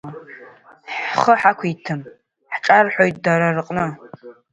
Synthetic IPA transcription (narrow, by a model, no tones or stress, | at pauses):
ħχəħakʷʰitʰɨm | ħʈ͡ʂʼarħʷojt̚ʼdaɾarqʼnɨ